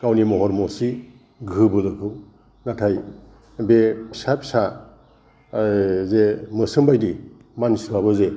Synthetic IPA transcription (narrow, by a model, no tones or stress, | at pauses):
kawnimɔɦɔɾmɔsi | ɡʱɯbɯlɯkʰɯw | natʰaj | bepʰi̥sapi̥sa | zemɯsɯmbajdi | mansibabɯze